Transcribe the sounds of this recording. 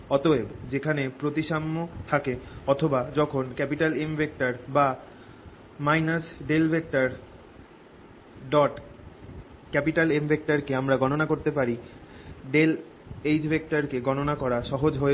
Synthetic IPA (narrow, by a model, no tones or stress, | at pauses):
ɔt̪oed͡ʑekʰanepɾot̪iʃamːot̪ʰakeɔt̪ʰobad͡ʑɔkʰonkɛpiʈalembek̚ʈaɾba | majnasɖelbʱek̚ʈaɾ | ɖɔʈ | kɛpiʈalembʱek̚ʈaɾkeamɾaɡɔnonakoɾt̪epaɾi | ɖel | ejd͡ʑbʱek̚ʈaɾkeɡɔnonakɔɾaʃɔɦod͡ʑɦoe